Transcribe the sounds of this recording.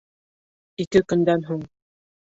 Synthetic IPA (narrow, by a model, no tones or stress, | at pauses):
ikɘkɵ̆nd̪ænɦuɴ